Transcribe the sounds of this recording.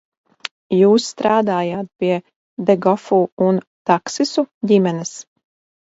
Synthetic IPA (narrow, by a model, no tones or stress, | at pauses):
juːsːt̪ɾaːd̪aːjaːt̪̚piɛ | d̪ɛɡɔfuːunt̪aksisuɟimɛnɛs